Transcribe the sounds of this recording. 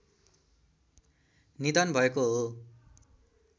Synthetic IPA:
nid̪ʌnbʱʌekoɦo

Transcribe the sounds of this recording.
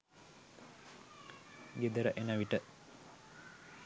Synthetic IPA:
ɡed̪əɾəʔenəʋiʈə

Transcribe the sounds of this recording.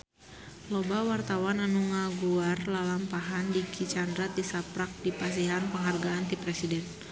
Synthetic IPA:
lɔbawart̪awananuŋaɡuarlalampaɦandikit͡ʃandɾat̪̚disapɾak̚dipas̬iɦanpəŋɦarɡaːnt̪ipɾɛsidɛn

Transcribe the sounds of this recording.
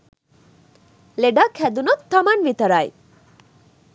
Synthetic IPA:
leɖakʰɛd̪unot̪ːʌmanʋit̪ʌɾaj

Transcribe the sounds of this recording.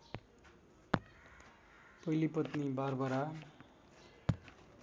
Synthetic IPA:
pʌilipʌt̪nibarbʌɾa

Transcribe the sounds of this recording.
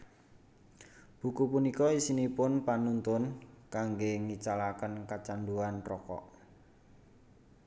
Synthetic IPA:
b̥ṳkupunikɔisinipʊnpanunt̪ʊnkaŋɡeŋit͡ʃalakənkat͡ʃanduanrɔkɔ̰ʔ

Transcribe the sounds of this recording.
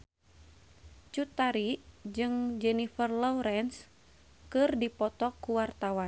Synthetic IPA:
t͡ʃut̪aɾid͡ʒɨŋd͡ʒɛnifərlɔuɾɛns | kɨrdipɔt̪ɔkːuwart̪awan

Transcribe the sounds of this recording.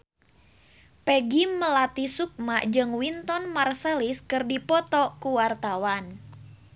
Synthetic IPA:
pɛɡiməlat̪isuk̚maʔd͡ʒɨŋwint̪ɔnmarsɛliskɨrdipɔt̪ɔkuwart̪awan

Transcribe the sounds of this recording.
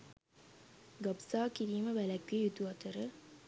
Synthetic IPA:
ɡabsaːkiɾiːməʋælæɡʋejut̪uɐt̪əɾə

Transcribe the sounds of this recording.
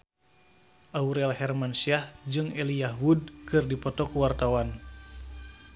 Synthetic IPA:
ʔauɾalhɛrmansiahd͡ʒɨŋɛliaɦud̚kɨrdipɔt̪ɔkuwart̪awan

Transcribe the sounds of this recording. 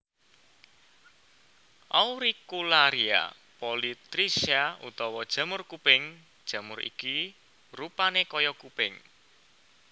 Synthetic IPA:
ʔauɾikulaɾia̰ | polit̪ɾisiaṵt̪ɔwɔd̥ʒ̥a̤mʊrkupɪŋ | d̥ʒ̥ä̤mʊrḭki | rupanekɔjɔkupɪŋ

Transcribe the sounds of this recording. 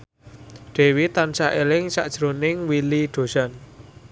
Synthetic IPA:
ɖ̥ɛ̤wit̪ansaʔelɪŋsaʔd̥ʒ̥ɾonɪŋwiliɖ̪̥o̤san

